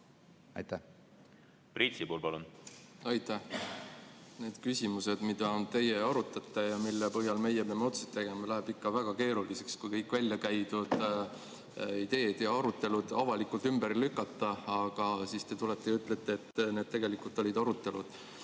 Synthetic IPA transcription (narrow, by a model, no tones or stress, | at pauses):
ɑ̰jt̪æ | prit̪sipuːlpɑlunɑjt̪æh | ne̞ːd̪̥kysʲimuse̞d̪̥mid̪̥ɑnt̪e̞jeɑɾut̪ːˑɑt̪ːˑɑjɑmilːepɤɦjɑlme̞jepeɑmeo̞t̪sut̪ːe̞ɡ̥e̞mɑlæɦebikːɑvæɡ̥ɑke̞ːɾulise̞kskujkɤjkːˑvælʲjɑkæjt̪ud̪̥ | id̪e̞ːd̪̥jɑɑɾut̪ːˑe̞lud̪̥ɑvɑlikːˑult̪ymbeɾlykːˑɑt̪ːˑɑɑɡ̥ɑsist̪e̞t̪ulet̪ːˑejyt̪ːˑlet̪ːˑeːt̪ːne̞d̪̚t̪e̞ɡ̥e̞likult̪ˑo̞lʲid̪ɑɾut̪ːˑe̞lud̪̥